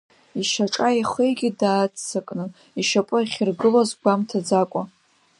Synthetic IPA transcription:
iʃaʈ͡ʂʼaiχəjɡʲidaːt͡st͡sːakʼnɨ | iʃapʼʊiχʲɪrɡɨlozɡʷamtʰad͡zakʷʼa

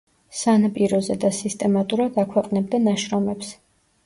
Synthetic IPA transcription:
sanapʼiɾɔzɛd̪asist̪ʼɛmat̪ʼuɾad̪akʰwɛqʼnɛb̚d̪anaʃɾɔmɛps

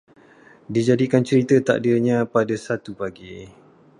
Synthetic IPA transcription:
did͡ʒadikant͡ʃəɾit̪ət̪a̰ʔdirɲãpadasat̪upaɡi

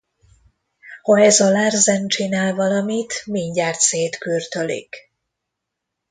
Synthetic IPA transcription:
hoɛzɒlaːrzɛnt͡ʃinaːlvɒlɒmit̪miɲɟaːrt̪seːt̪kyrt̪ølḭk

